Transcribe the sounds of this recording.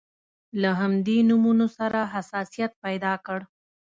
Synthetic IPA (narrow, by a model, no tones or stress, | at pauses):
laɦamd̪enumunosaɾaɦasɑsijat̪̚pajd̪ɑkəɽ